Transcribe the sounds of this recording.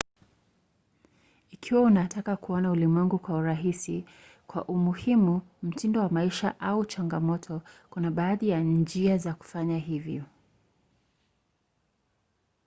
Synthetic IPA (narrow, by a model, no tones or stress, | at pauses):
ikʰiwaunatʰakakuɔnaulimwɛŋɡukwauɾaɦisi | kwa̰ʔumuhimum̩tindɔwamaiʃa̰ʔaut͡ʃaŋɡamɔtʰɔkunaɓaːðijand͡ʒiazaku̥faɲaɦivjɔ